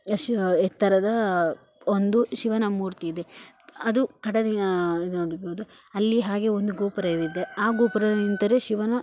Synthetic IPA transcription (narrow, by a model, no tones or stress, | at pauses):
ɛt̪ːɐɾɐd̪ɐ | ond̪uʃiʋɐnɐmuːɾt̪iːd̪e | ɐd̪ukɐɽɐd̪iid̪unoɽɐɡoːd̪u | ɐlːiɦaːɡe̞ond̪uɡuːpɐɾɐid̪id̪ːeaːɡuːpɐɾɐint̪ɐɾeʃiʋɐnɐ